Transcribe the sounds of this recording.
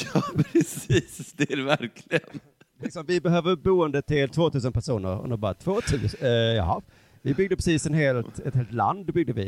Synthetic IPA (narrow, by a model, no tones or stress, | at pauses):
jɑpʰɾɛsiːsd̪ɛæɾɛvæɾkʰlɪɡən | lɪksɔmvɪbɛɦøːvəɾbuːənd̪ət̪ʰɪlt̪ʰvoːt̪ʰʉ̟ːsənpæʂuːnə̰ɾɔ̰nəbɑːɾa̰t̪ʰvoːt̪ʰʉ̟ːsjɑ̰ːɦɑ | vɪbʏɡ̚d̪əpɾɛsiːsɛnɦeːlt̪ɛt̪heːlt̪la̰nd̪bʏɡ̚d̪əvɪ̰